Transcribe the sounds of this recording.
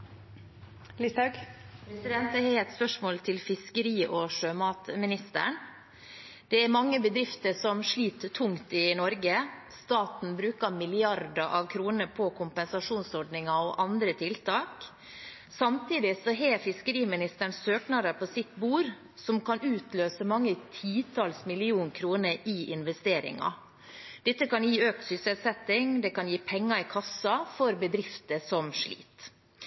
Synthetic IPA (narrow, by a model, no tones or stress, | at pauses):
lisɑɡpʰɾɛsɪd̪ɛnt̪əhɛɛt̪spœʂmoːlt̪ʰɪlfɪskəɾiːʔɔʂøːmɑːt̪mɪnɪst̪ə̰ɳ | d̪̥ɛæɾmɑŋːəbəd̪ɾɪft̪əsɔmʂɭiːt̪ʰːʊŋt̪ɪnɔɾɡə | st̪ɑːt̪n̩bɾʉːkɑmɪlɪɑɾd̪əʔɑʋkʰɾuːnəpʰɔkʰʊmpɛnsɑʂuːnsɔɖnɪŋɑoʔɑnd̪ɾət̪ʰɪlt̪ʰɑːk | sɑmt̪iːd̪ɪsɔɦeːfɪskəɾiːmɪnɪst̪əɳsøːknɑɾəpʰɔsɪt̪buːɾ | sɔmkɑnʉːt̪løːsəmɑŋːət̪ʰiːt̪ʰɑlsmɪlɪuːnkʰɾuːnəʔɪʔɪnʋɛst̪eːɾɪ̰ŋɑ̰ | d̪̥ɛt̪ːəkɑnjiːøːk̚t̪sʏsɛt̪sɛt̪ːɪŋd̪ɛkɑnjiːpʰɛŋːɑɪkʰɑsːɑfɔɾbəd̪ɾɪft̪əsɔmʂɭḭːt̪